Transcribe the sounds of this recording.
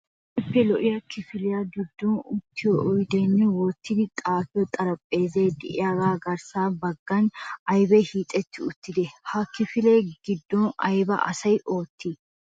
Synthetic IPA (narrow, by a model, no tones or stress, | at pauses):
ɛpːɛlɔʔɪjɐkɪfɪlɪjaɡɪd̪ːɔnʊt̪ːɪjɔʔɔjd̪ɛnːɛwɔt̪ːɪd̪ɪt̪ʼaːfɪjɔt̪ʼɐɾɐpʼːe̞ːzeːd̪ɪʔɪjaɡaːɡɐɾsaːbɐɡːɐnɐjbɛhiːt̪ʼɛt̪ːɪʊt̪ːɪd̪ɛhɐkɪfɪleːɡɪd̪ːɔnɐ̰jbɐ̰ʔɐ̰sɐjʔo̞ːt̪ːi